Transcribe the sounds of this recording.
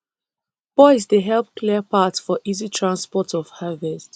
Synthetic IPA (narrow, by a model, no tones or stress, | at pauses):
b̥ɔɪs̬deɦɛlˠp̚kʰliəpatsfɔʔizitʰɹãnspɔtʰɔv̥havɛst